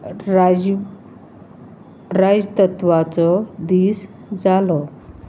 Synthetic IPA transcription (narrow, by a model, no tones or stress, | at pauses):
ɾad͡ʑt̪ət̪ʋat͡sɔd̪iːs | d͡zalɔ